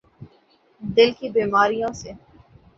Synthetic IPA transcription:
d̪ɪlkibiːmaːɾijõse

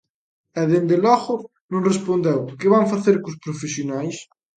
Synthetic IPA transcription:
ɛðend̪elɔɣʊ | nõŋrespond̪ewkɪβaŋfaθeɾkʊspɾofesjonajs

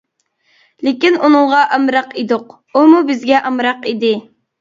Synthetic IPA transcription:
lɪkʲinunɨŋʁɑʔɑmɾɑqid̪ʊq | umubɪzɡʲɛʔɑmɾɑqid̪ɪ

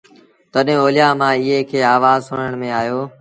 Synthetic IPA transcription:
t̪əɗɦẽːoːlɪjaːmãːɪɦeːkʰeːaːʋaːzsʊɽɳəɳ̃mẽːaːjoː

